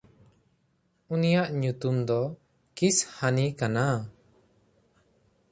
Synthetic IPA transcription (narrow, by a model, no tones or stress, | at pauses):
unijaʔɲut̪umd̪ɔ | kishanikana